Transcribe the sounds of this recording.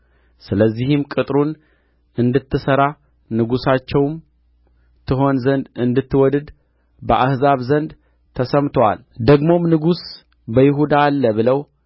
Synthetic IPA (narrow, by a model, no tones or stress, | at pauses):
sɨləzːihɪmkʼɨt̪ʼɾun | ʔɨnd̪ɨt̪ːɨsəɾa | nɨɡusat͡ʃːɛwm | t̪ʰɨɦo̞nzənd̪ɨnd̪ɨt̪ːɨwɔd̪ɨd̪ | bəʔahzaβzənd̪ | t̪ʰəsəmt̪ʰwa̰ld̪əɡmo̞mnɨɡus | bəjɪɦud̪aːlːəβɨləw